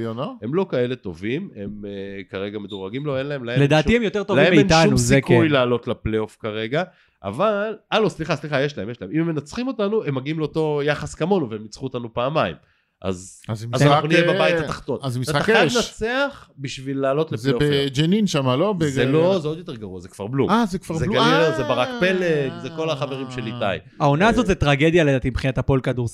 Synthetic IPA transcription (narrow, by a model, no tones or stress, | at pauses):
jonohe̞mlo̞kae̞le̞t̪o̞vimemekaʁe̞ɡame̞d̪oʁaɡimlo̞e̞nlae̞mlaelemd̪aːtiemjot̪e̞ʁtolaemmient̪aʃnuumsikujlaːlo̞t̪laplejo̞fkaʁe̞ɡa | a̰valalosliχasliχajeʃlae̞mjeʃlaemimemːenat͡sχimo̞t̪anue̞mːaɡiimleoto̞jaχaskamo̞nuveemit͡sχuot̪anupaːmaim | ʔa̰zazazanaχuniebebajat̪aχt̪o̞nzmisaaanat͡seaχbiʃvilːaːlo̞t̪lezeoed͡ʒeninʃamalobezelozeo̞d̪jot̪e̞ʁɡaʁuazekv̥aʁbluazekvaʁzeɡalilozebaʁakpe̞lekzeko̞laχaveʁimʃe̞lit̪a̰j | aonaːzot̪zet̪ʁaɡe̞d̪jaled̪aːt̪imbχinat̪hapo̞lkad̪uʁs